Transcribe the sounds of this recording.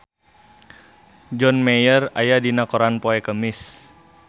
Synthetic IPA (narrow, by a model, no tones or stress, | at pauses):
d͡ʒɔnmejərajadinakoɾanpoɛkəmɪs